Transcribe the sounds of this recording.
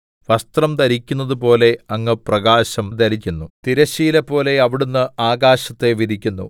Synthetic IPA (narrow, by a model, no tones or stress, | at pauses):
ʋɐst̪rɐmt̪ɐɾikʲːunːɐðupo̞ːle̞ɐŋːɨprɐɡaːɕɐmt̪ɐɾik̬ʲːunːut̪iɾɐɕiːlɐpːo̞ːle̞ɐʋiɽunːɨaːɡaːɕɐt̪ːe̞ʋiɾikʲːunːṵ